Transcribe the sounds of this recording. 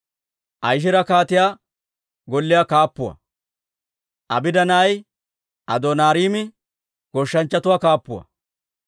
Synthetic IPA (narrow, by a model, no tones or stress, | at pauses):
ʔɐjʃ̬ɪɾɐkaːt̪ɪjaː | ɡɔlːɪjaːkaːpːʊwɐ̰ | ʔɐ̰bɪd̪ɐnɐːj | ʔɐd̪oːnaːɾiːmɪ | ɡ̥ɔʃːɐnt͡ʃːɐt̪ʊwaːkaːpːʊwɐ̰